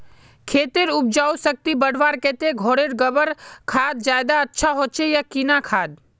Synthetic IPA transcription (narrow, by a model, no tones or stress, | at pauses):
kʰeːt̪eɾʊp̚d͡ʒaːosək̚t̪ibəɽ̤ʋaːɾkeːt̪eɡʱoːɽeɾɡəbəɾkʰaːd̪̚d͡ʒaːjd̪aətːʃʰaɦoːt͡ʃʰejakinakʰaːd̪